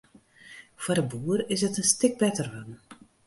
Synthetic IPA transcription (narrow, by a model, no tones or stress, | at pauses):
fardəbuːərɪsətənstɪk̚bɛtərʋan